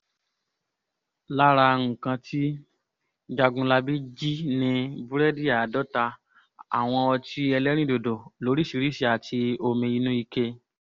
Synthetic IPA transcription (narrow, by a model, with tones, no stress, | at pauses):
la˦ɾa˧ŋ̩̃˨kã˧tʰi˦ | d͡ʒa˧˨ɡũ˧la˧bi˦d͡ʒi˦nĩ˧bu˦ɾɛ˦di˦a˨dɔ˦ta˧ | a̰˨w̃ɔ̃˧ɔ˧ti˦ɛ˧lɛ˦ɾ̃ĩ˦˨do˨do˨lo˨˦ɾi˦˨ʃi˧ɾi˦ʃi˧a˨tʰi˧o˧mĩ˧i˧nũ˦i˧ke˧